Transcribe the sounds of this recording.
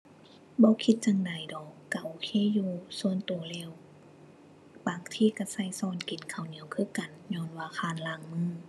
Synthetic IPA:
bɔː˧˦kʰi˧t̪̚t͡ɕa˧ŋda˨jdɔː˨˩kːa˧˩ʔoː˧˦kʰeː˧˥˨juː˧su˧˨ənt̪u˨˩əlɛː˧˨w | baː˨˩ŋt̪ʰiː˧˨ka˧sa˧˨jsɔː˧˨nki˨˦nkʰa˨˩wni˨˦əwkʰɯː˧˨ka˨nɲɔː˧˥˨nwaː˧˩kʰaː˧˨nlaː˧˩˨ŋmɯː˧˥˨

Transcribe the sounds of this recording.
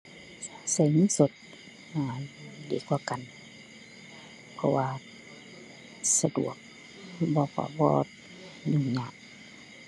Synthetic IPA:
sa˧˩jɲiː˧˥˨so˧˦t̪̚ | aː˨˩diː˨˦kwaː˧ka˨n | pʰɔ˧waː˧ | sa˧dṵ˨˩ək̚ | bɔː˧˦kʰa̰˧˩bɔ̰ː˧ | ɲu˧˩ɲaː˧˩˨ʔ

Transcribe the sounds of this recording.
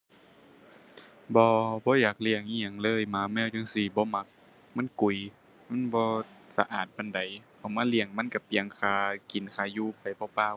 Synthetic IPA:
bɔː˧˦bɔː˧˦jaː˨˩k̚li˧˩əŋʔiː˧a˨ŋlɤː˧˥˨jmaː˧˦mɛː˧˥˨wt͡ɕa˧˨ŋsi˧˩bɔː˧˦ma˧˥k̚ | ma˧˥˨nku˨˩j | ma˧˥˨nbɔː˧˦sa˧ʔaː˨˩t̪̚ba˨nda˨˩jʔa˨˩wmaː˧˥˨li˧˩əŋma˧˥˨nka˧˩pi˧˨əŋkʰaː˧ki˨˩nkʰaː˧˩juː˧˨pa˨jbɔː˧˦paː˧˥˨w

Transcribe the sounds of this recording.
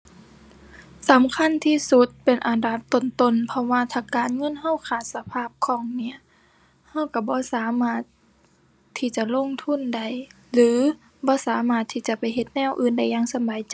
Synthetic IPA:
sa˨˦mkʰa˧˥˨nt̪ʰiː˧˨su˧˦t̪̚pe˨˩nʔa˨nda˧˦p̚t̪o˧˩nt̪o˧˥˨npʰɔ˧waː˧t̪ʰaː˧˩kaː˨nŋɤ˧˥˨nha˧˩˨wkʰaː˧˨˩t̪̚sa˧pʰaː˧˥˩p̚kʰɔː˧˦ŋni˧˥ɐ | ha˧˥˨wka˧˩bɔː˧˦saː˨˦maː˧˩t̪̚ʰː | iː˧˨t͡ɕa˧˦lo˧˥˨ŋt̪ʰu˧˥˨nda˧˩j | lɯː˨˦ | bɔː˧˦saː˨˦maː˧˩t̪ʰːiː˧˩t͡ɕa˧˦pa˨˩jɦe˧˦t̪̚nɛː˧˥˨wʔɯː˧˥˨nda˧˩jːaː˧˨ŋsa˧˦baː˨˦jt͡ɕ

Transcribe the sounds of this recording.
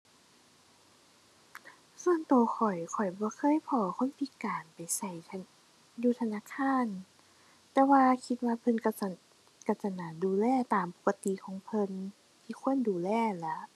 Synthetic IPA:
su˧ənt̪u˨˩əxʰɔ˨˩jkʰɔ˨˩jbɔː˧˦kʰɤː˧˥˨jpʰɔː˧˩kʰo˧˥˨npʰi˧˦kaː˨˩npa˨˩jsa˧˩j | juː˧t̪ʰa˧naː˧˥˨kʰaː˧˥˩n | t̪ɛː˧waː˧kʰi˧˥t̪̚waː˧pʰɤ˧˨nk | ka˧˩sa˧naː˨˩duː˨˩lɛː˧˩˨t̪aː˨mpo̥˨˧˩kːa˧t̪i˧˨kʰɔː˨˦ŋpʰɤ˧˨n | t̪ʰiː˧˩kʰu˧˥˨ənduː˨˩lɛː˧˩la˧˦

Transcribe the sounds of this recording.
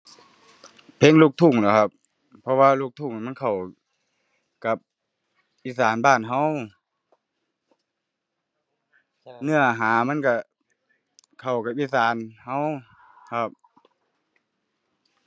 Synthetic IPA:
pʰe˧˥˨ŋluː˧˩k̚t̪ʰu˧˩ŋnɔː˨˩kʰa˧˦p̚ | pʰːɔ˧waː˧luː˧˩k̚t̪ʰu˧˩˨ŋi˨ma˧˥˨kʰa˨˩w | ka˧˩p̚ | ʔiː˧˩saː˨˦nbaː˧˥˩nɦa˧˥˨w | nɯ˧˩ɐɦaː˨˦ma˧˥˨nka˧˩ | kʰa˨˩wka˨˧pʔiː˧˥˨saː˨˦nha˧˥˨w | kʰa˧˩p̚

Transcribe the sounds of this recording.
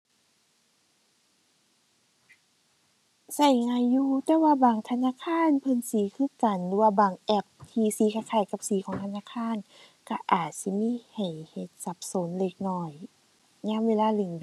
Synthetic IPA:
sa˧˩jŋaː˧˨jːuː˧t̪ɛː˧˦waː˧baː˨˩ŋt̪ʰa˧naː˧˥˨kʰaː˧˥˨npʰɤ˧˨nsiː˨˦kʰɯː˧˩˨ka˨˩nlɯː˧˦waː˧baː˨˩ŋʔɛ˧˩p̚t̪ʰiː˧siː˨˦kʰa˧jkʰaː˧˩jka˧˦p̚siː˨˦kʰɔː˨˦ŋt̪ʰa˧naː˧˥˨kʰaː˧˥˨n | ka˧˩ʔaː˨˩t̪̚si˧˦miː˧˥˨ha˨˩jhe˧t̪̚sa˧˦p̚so˨˦nle˧˩k̚nɔː˧˩j | ɲaː˧˥˨mweː˧laː˧˨le˧˩ŋ

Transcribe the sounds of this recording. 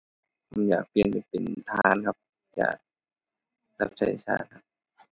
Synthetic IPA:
ma˧˩˦ja̰ː˨˩k̚pi˧ənka˧˩pe˨nt̪ʰaː˧nkʰa˧p̚ | ja̰ː˨˩k̚ | la˦˧˥p̚sʰa˧˦jsa̰ː˧˩t̪̚kʰa˧p̚

